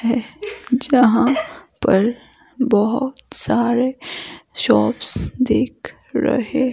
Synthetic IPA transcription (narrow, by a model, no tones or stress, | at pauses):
hɛd͡ʒɐɦãpɐɾ | bəɦʊt̪saːɾeʃɔːpsd̪eːkʰ | ɾɐ̰ɦe